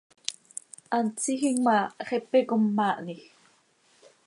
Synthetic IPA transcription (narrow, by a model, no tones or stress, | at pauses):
ʔant͡sixiŋmaχepekomːaʔnix